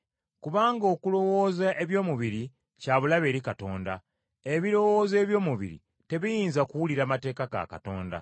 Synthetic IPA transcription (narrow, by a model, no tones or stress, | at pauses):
kuβaːŋɡo̞kulo̞wo̞ːzaʔe̞βjo̞ːmuβiɾi | caːβulaβe̞ːɾikato̞ːnda̰ | eβiɾo̞woːze̞ːβjo̞ːmuβḭɾḭ | te̞βijiːnzakuwuliɾaːmate̞ːkaɡa̰ka̰to̞ːnda̰